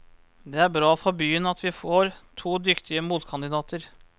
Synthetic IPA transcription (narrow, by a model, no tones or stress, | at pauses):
d̪ɛæɾbɾɑːfɔbyːənɑt̪ʰʋɪfoːɾt̪ʰuːd̪ʏkt̪ʰɪəmuːt̪kʰɑnd̪ɪd̪ɑːt̪əɾ